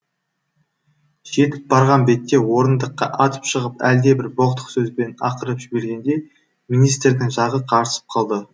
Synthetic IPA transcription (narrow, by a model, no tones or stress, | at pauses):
ʒ̥e̞t̪ɪp̚bɑɾʁɑnbe̞t̪ːe̞wo̞ɾənd̪əqːɑ̰ʔɑt̪ə̥pʃəʁəpæld̪e̞bɪɾboqt̪ə̥qsɵzbe̞nɑ̰qəɾəpʒɪbe̞ɾɡʲe̞nd̪e̞ | minijst̪ɾd̪ɪŋʒɑʁəqʰɑɾəsə̥p̚qʰɑlˠd̪ə